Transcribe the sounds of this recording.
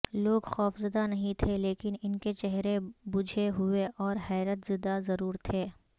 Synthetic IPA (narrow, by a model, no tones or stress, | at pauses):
loːɡxɔːfzɐd̪anɐɦĩt̪ʰeleːkɪnɪnket͡ʃɛɦɾebʊd͡ʒʱeɦʊeʔɔːɾhɛːɾət̪zɪd̪azɐɾuːɾt̪ʰeː